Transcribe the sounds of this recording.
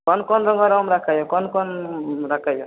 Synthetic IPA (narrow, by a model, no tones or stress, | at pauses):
kɔnkɔnɾɔŋɡɔɾamɾakʰajɔkɔnkɔnɾakʰajɔ